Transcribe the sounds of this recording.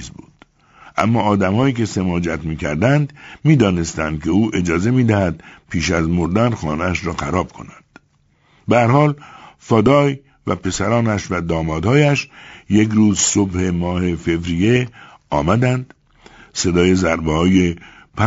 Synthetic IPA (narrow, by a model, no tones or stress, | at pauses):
zbuːd̪̥ | ʔæ̰mːɒːd̪æmhɒːiːke̞se̞mɒːd͡ʒæt̪miːkʰæ̰ɾd̪ænd̪miːd̪ɒːne̞st̪ænd̪̥̚kʰe̞uːʔe̞d͡ʒɒːze̞miːd̪æhæd̪̚pʰiːʃæzmoɾd̪ænxɒ̰ːneæʃɾɒːxæɾɒːb̥̚kʰo̞̰nænd̪̥ | beæɾhɒːlfɒːd̪ɒːj | væpʰe̞sæɾɒːnæʃvæd̪ɒːmɒːd̪hɒːjæʃje̞kɾuːzso̞bhe̞mɒːhefe̞vɾije̞ | ɒːmæd̪ænd̪ | se̞d̪ɒːje̞zæɾbehɒːje̞ | pʰæ